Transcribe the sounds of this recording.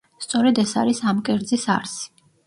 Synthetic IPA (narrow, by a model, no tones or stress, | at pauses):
st̪sʼɔɾɛd̪ɛsa̰ɾisamkʼɛɾd̪zisa̰ɾsi̥